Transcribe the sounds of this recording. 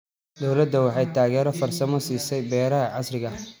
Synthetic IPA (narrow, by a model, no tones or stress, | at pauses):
d̪ɔwlɐd̪ɐwɑħɑjt̪ʰaːɣɛːɾɔfɐrsɐmɔsiːsɛjbɛːɾɐɦɐʕɑsrɪɣɐ